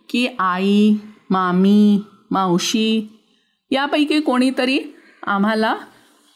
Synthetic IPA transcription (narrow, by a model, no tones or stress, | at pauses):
kiʔaimami | mãwɕi | japəjkikoɽ̃iːt̪əɾiː | am̤ala